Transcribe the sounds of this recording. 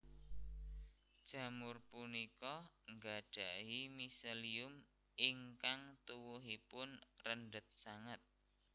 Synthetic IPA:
d̥ʒ̥a̤mʊrpunikɔŋɡaɖ̥a̤ʔɦimiseliʊm | iŋkaŋt̪uwuɦipʊnrənɖət̪̚saŋət̪̚

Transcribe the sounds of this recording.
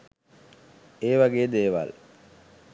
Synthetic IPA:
eːʋaɡeːd̪eːʋa̰l

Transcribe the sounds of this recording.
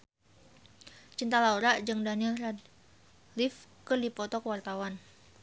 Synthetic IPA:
t͡ʃint̪alauɾaʔd͡ʒɨŋdanilrad̚ | lifkɨrdipɔt̪ɔkwart̪awan

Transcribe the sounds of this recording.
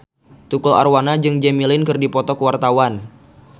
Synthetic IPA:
t̪ukɔla̰rwanad͡ʒɨŋd͡ʒɛmilɪnkɨrdipɔt̪ɔkəwart̪awan

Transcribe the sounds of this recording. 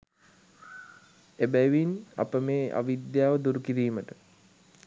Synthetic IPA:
ebæjʋina̰pəmeːʔa̰ʋid̪jaːʋəd̪uɾukiɾiːməʈə

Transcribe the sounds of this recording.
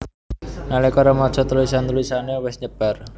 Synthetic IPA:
nalekɔɾamɔ̥t͡ʃɔt̪luisant̪luisanewɪsɲəb̥ar

